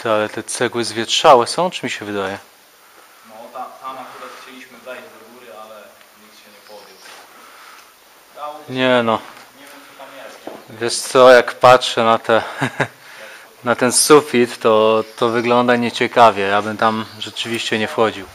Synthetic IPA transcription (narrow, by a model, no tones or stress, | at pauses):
t̪alɛt̪ɛt̪sɛɡwɘzvʲjɛtʂawɛsɔ̃w̃t͡ʂɨmʲiɕɛvɘd̪ajɛ | t̪amakuɾaxt͡ɕelʲiɕmɨad̪ɛɡuɾalɛ | ɲik̪ɕɛɲɛpɔvʲɛ | ɲɛnɔ | amɛvʲjɛʂt̪sɔjakpatʂɛnat̪ʰɛ | nat̪ɛnsufʲit̪ːɔt̪ɔvɘɡlɔnd̪aɲɛt͡ɕɛkavʲjɛjabɘmt̪amʐɛt͡ʂɘvʲiɕt͡ɕɛɲɛfxɔd͡ʑiw